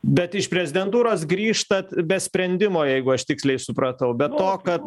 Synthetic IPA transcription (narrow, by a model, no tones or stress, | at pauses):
bʲɛt̪ɪʃpʲɾʲɛzʲɪd̪ʲɛnt̪uːɾoːs̬ɡɾʲiːʃt̪ɐt̪bʲɛsʲpʲɾʲɛnʲd̪ʲɪmoːjɛɪɡʊɐʃt̪ʲɪksʲlʲɛɪsʊpɾɐt̪ɐʊbʲɛt̪ːoːkɐt̪